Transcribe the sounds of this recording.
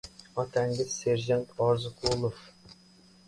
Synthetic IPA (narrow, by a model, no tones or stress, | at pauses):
ɑt̪æŋɡʲɪzseɾʒɑnt̪ɑɾzʊqʰulˠof